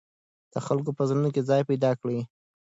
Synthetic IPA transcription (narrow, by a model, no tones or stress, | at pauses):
d̪̥əxalk̬opəzanunokezɑjpajd̪ɑkɽi